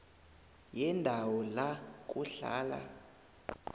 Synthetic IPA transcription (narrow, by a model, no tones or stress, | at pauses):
jɛndʱawɔlak̬ʼuɬa̰ːla̰